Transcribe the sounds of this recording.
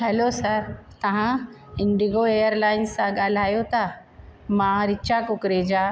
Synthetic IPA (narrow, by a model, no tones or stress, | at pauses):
ɦɛlosɐɾt̪ɐʋ̤ã | ɪ̃ɳɖiɡoejəɾlaːɪnsːãɠaːl̤aːjot̪ʰa | mãɾɪt͡ʃakʊkɾed͡ʑaː